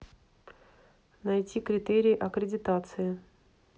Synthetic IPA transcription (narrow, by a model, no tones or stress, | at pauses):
nɐjtʲikɾʲɪt̪eɾʲɪjːʔɐkɾʲɪdʲɪt̪at̪sɨɪ